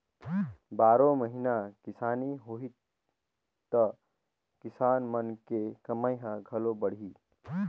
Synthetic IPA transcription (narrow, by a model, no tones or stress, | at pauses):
baːɾõməɦinakisaniɦoɦi | t̪ə | kisanmənkekəməjɦə̃ɡʱəlobəɽ̤i